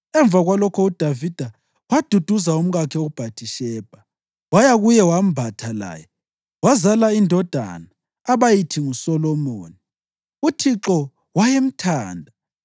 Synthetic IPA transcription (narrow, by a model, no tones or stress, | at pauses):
ɛɱb̪vʱaɣwalɔkʰɔud̥ʱavid̥ʱa | wad̥ʱud̥ʱuzaum̩ɣakʰɛoɣub̥ʱatʰʼiʃɛːb̥ʱa | wajaɣujɛwam̩bʱatʰala̰ːjɛ | wazalaindʱɔd̥ʱa̰naː | βajitʰiŋusɔlɔmoːni | utʰiǁɔ | wajem̩tʰaːndʱa